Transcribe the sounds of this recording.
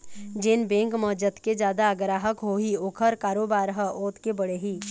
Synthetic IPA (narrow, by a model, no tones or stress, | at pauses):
d͡ʒenbẽːŋkmɔɦd͡ʒət̪ked͡ʒjaːd̪aəɡɾaːɦəkɦoːɦioːkʰəɾkaːɾoːbaːɾɦəʔoːt̪kebəɽeɦiː